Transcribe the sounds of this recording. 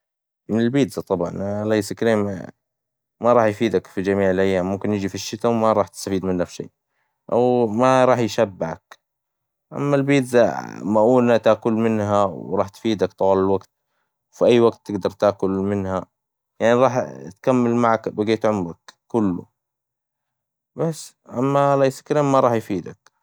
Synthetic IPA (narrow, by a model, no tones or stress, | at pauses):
mɪnɪlbiːt̪zat̪ˤɑbʕɑ̰nlajsɪkɾeːm | maɾˤɑːħjfiːd̪akfid͡ʒamiːʕɪlʔajːaːmːʊmkɪnjɪd͡ʒifiʃːɪt̪awmaɾˤɑːħt̪ɪ̥st̪afiːd̪mɪnːafʃḛː | ʔawmaɾˤɑːħjʃabːɪʕa̰k | ʔa̰mːalbiːd̪zamaʔuːlat̪aːkʊlmɪnhawɾˤɑːħt̪fiːd̪akt̪ˤɑwɑːlalwaɡt̪̚ | wfiʔajːwaɡt̪ːɪɡd̪ɑɾˤt̪aːkʊlmɪnha | jaʕniɾˤɑːħt̪kamːalmaʕakbɪɡeːt̪ʕʊmɾakːʊlːʊ̰ | basː | ʔamːalajsḁkɪɾammaɾˤɑːħjfiːd̪ak